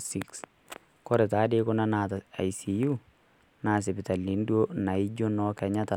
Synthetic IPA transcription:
siks | kɔ˦ɾɛ˨t̪aː˦de˦kʊ˦nɐ˦na˨ta˨jsiju | naː˨s̬ɪ˨bɪ˨t̪ɐ˨lːi˨ndu˦o˦na˨i˦d͡ʒo˦nɔkɛɲɐ˦t̪ɐ˨

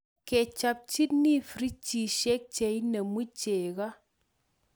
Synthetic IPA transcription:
ke˨t͡ʃa˧p̚t͡ʃi˦tni˦fɾi˦t͡ʃi˨ʃe˦k̚t͡ʃe˨jnə˨mu˦t͡ʃe˨ka˦

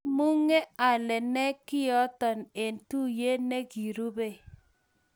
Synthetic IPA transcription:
mu˦ŋe˦a˨lɛ˨nɛ˦kɪ˦jɔ˦tɔ˨ne˨ntu˦je˦ne˦ki˨ɾu˦be˦˨

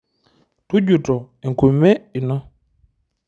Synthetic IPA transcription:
tu˦ɟu˨tɔ˨ | i˨ŋ˨ku˨me˦i˨nɔ˦

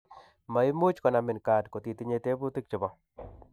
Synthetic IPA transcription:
ma˨i˦mu˦t͡ʃkɔ˨na˨mɪ˨nka˨dko˨ti˨ti˦ɲe˦te˦bu˦ti˦k̚t͡ʃɪ˨bɔ˦

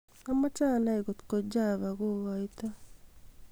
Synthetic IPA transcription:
ama˦ta˦na˦i˨ɣo˨t̪ko˨d͡ʒa˦βa˨ɣo˦ɣai˦t̪a˦

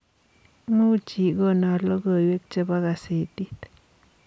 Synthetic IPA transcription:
mu˦t͡ʃi˨ɡo˦na˧ɾlo˦ɡə˧˨jwe˦k̚t͡ʃe˧ba˦ɡa˧se˨t̪i˦t̪

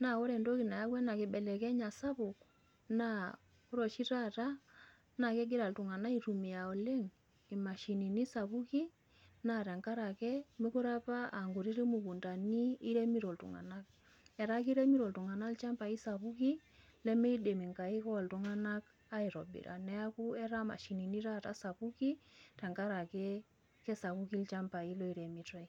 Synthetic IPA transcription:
na˨o˦ɾɛ˨ndo˦ki˨na˨ja˦ɡwɛ˦na˨kɪ˨ɓɛ˨lɛ˨kɛ˦ɲa˨sa˦βu˨k | na˦˨ | ku˦ɾo˨ʃi˦ɾa˦ɾa˦ | na˨ke˦ɡɪ˦ɾa˨ltu˨ŋa˨na˦i˦ɾu˨mi˨a˨ɔ˨le˦ŋ | i˨ma˨ʃi˨ni˨ni˦sa˨βu˦ki˦ | na˨ɾɛ˨ŋka˦ɾa˨kɛ˦mi˦ku˦ɾa˦pa˦ʔa˨ŋɡu˨ɾi˦ɾe˦mu˨ku˨nda˨niː˦ɾe˦mi˦ɾɔ˨ltṵ˨ŋa̰˨na˦k̚ | ɛ˨ɾa˦ki˦ɾe˦mi˦ɾɔ˨ltu˨ŋa˨na˦lt͡ʃa˦mpa˨i˦sa˨βu˦ki˦ | lɛ˦mɛ˦i˦de˨mi˨ŋka˨i˦kɔ˦˨ltu˨ŋa˦na˦k | a˦i˨ɾɔ˨bḭ˨ɾʔa̰˨nɛ˦a˦ku˦ɛ˦ɾa˦ma̰˨ʃi˨ni˨ni˦ɾa˦ta̰˦sa˨pu˦ki˦tɛ˨ŋka˦ɾa˨kɛ˦ | kɛ˦sa˨βu˦ki˦lt͡ʃa˦mpa˨i˦lɔ˦i˨ɾe˨mi˨tɔ˦i

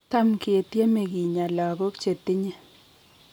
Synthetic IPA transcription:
ta˦mkɪ˨e˨tje˦me˨ɡi˨ɲa˨lɔ˨ɡɔ˦kt͡ʃe˨tɪ˦ɲe˦

